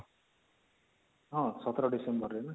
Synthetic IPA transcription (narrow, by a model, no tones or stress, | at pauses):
ɦʌ̃sʌt̪rʌɖisembʌrenʌ